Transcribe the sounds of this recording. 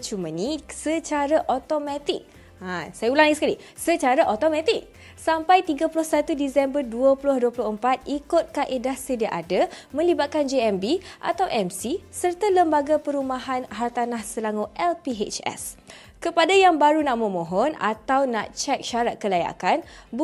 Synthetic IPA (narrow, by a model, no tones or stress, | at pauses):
t͡ʃumə̃nisət͡ʃaɾaʔot̪omãt̪ik̚ | asajaulaŋisəkali | sət͡ʃaɾaʔot̪omãt̪ik̚ | sampajt̪iɡapulʊhsat̪udisɛmbərduəpulʊhduəpulʊhəmpat̪̚ikʊt̪̚kaʔedahsədiaʔadamə̃libat̪̚kand͡ʒeɛmbiʔa̰t̪awʔɛmsisərt̪aləmbaɡapəɾumaɦanɦart̪anahsəlaŋuʔɛlpiɦet͡ʃɛ̰s | kəpadajaŋbaɾunaʔmə̃mõɦɔna̰t̪awna̰ʔt͡ʃɛk̚ʃaɾat̪̚kəlaja̰kan | b